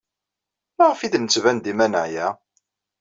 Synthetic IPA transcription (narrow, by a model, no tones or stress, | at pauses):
laʁəfid̪nət͡sːvænd̪imænəʕjæ